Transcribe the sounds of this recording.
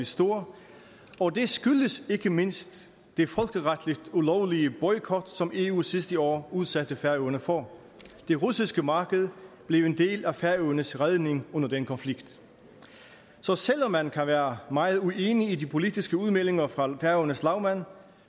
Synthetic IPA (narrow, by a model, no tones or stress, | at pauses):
isd̥o̝ɐ̰ | ɒ̽d̥e̝sɡ̥yləse̝ɡ̥əme̝n̰sd̥ | d̥e̝fɒ̽lɡ̥əʁad̥lid̥ulɒʊliəb̥ɒ̽ɪkʰɒd̥sɒ̽me̝ṵːsisd̥əɒ̰ːuð̞ˠsæd̥əfæɐøʊɐnəfɒ | d̥e̝ʁusisɡ̥əmɑ̈ːɡ̥əð̞̩ˠb̥le̝ʊe̝nd̥e̝̰ːlæfæɐøʊɐnəsʁað̞ˠne̝ŋɔ̽n̰ɐd̥enkʰɒ̽nfliɡ̥d̥ | sɒ̽sel̰ɒ̽mːænkʰæʋæːɐmɑ̈ɪð̞̩ˠue̝ːniːdipʰo̝lid̥isɡ̥əuðˠmele̝ŋɐfʁɑ̈fæɐønəslɑ̈ʊmæn